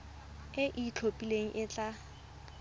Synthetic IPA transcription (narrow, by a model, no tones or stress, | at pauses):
ɪʔit͡ɬʰopʼileŋ̩ʔɪt͡ɬʼa